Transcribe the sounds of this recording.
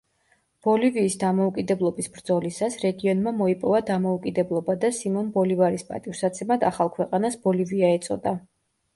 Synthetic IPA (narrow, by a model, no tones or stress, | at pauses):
b̥ɔliviːsd̪amɔukʼid̪ɛblˠɔbisbɾd̪zɔlisasɾɛɡiɔnmamɔipʼɔvad̪amɔukʼid̪ɛblˠɔbad̪asimɔnbɔlivaɾispʼa̰t̪ʼivɾsat̪sʰɛmad̪aχalˠkʰwɛqʼanasb̥ɔliviaɛt̪sʼɔ̰d̪a